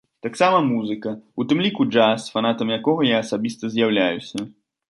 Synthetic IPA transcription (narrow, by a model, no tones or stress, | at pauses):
t̪aksamɐmuzɨkɐut̪ɨmlʲikud͡ʐasfanat̪ɐmjakɔɣɐjaːsabʲist̪ɐzʲjawlʲajusʲɐ